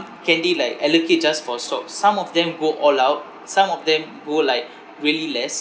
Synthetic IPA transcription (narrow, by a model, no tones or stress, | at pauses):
kɛ̃ndelaɪkɛloket̚d͡ʒasfɔsɔksːãmɔfdɛ̃mɡoʔɔlawt̚ | sãmɔfdɛ̃m | ɡolaɪk̚ | ɹiəlilɛs